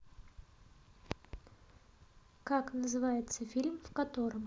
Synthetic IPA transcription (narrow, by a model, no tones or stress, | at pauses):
kaknəzɨvajɪt̪səfʲilʲmfkɐt̪o̞ɾɨm